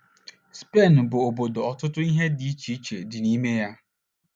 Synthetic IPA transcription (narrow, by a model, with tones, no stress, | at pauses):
spe˦˨nbo˨o˨bo˨do˨ɔ˨tʊ˦tʊ˦i˦ɦe˦di˦t͡ʃʰi˦t͡ʃe˨dɪ˨nĩː˨˦me˦ja˦